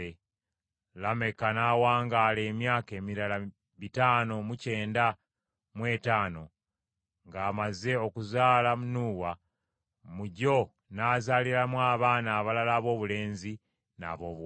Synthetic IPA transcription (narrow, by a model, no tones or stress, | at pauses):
e | lame̞kanaːwaːŋɡaːle̞ːmjaːke̞ːmiɾala | βitaːno̞muce̞ːnda | mwe̞ːtaːno̞ | ŋɡaːmaze̞o̞kuzaːlamunuːwa | muɟo̞ | naːzaːliɾamwaːβaːnaːβalalaːβo̞ːβule̞ːnzi | na̰βo̞ːβw